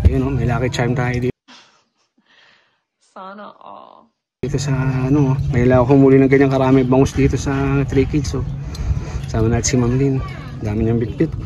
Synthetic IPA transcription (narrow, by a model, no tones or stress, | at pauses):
jonomɐjlaːkɪt͡ʃajmt̪aːjd̪iː | iːt̪osɐːnoʔmɐjlakomuːlinɐŋɡɐɲaŋkɐɾaːmibɐŋʊsd̪iːt̪o̞sɐt̪ɾiːkɪd͡ʒso | saːmanaːt̪ɪsimamlin | d̪aːmɪɲɐŋbɪt̪̚bɪt̪